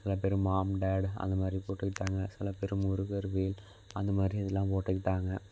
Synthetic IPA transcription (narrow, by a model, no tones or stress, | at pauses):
sɪlɐp̬eɾɯmaːmɖaːɽɐ̰nd̪ɐmaːd̪ɾipoːʈːɯkːɪʈːaːŋɡɐsɪlɐpɛɾɯmʊɾʊɣɐɾʋeːl | ɐnd̪ɐmaːd̪ɾiɐðɛlːãːmpoːʈːɯkɪʈːaːŋɡɐ